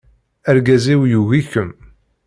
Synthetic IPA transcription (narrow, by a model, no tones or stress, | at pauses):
æɾɡæziwjuɣiçəm